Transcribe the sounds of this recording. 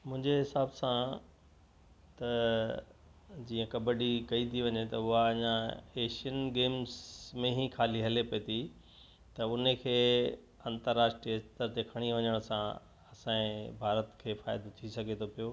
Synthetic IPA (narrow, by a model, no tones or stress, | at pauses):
mʊ̃ɦɪ̃ɲd͡ʑeɦɪsaːbsã | t̪ɐ | d͡ʑiːə̃kɐbəɖikɐit̪ʰiʋɐɲet̪ɐʊɦaɐɲãeːʃiənɡeːmzmẽɦikʰaːliɦɐlepɐet̪ʰi | t̪ɐʊnekʰeː | ɐ̃nt̪əɾːaːsʈɾiəɪst̪əɾt̪ekʰɐɽ̃iʋɐɲəɽ̃sã | ɐsãẽbʱaːɾət̪kʰeːfaːɪd̪ot̪ʰisɐɡʱet̪ʰopijoː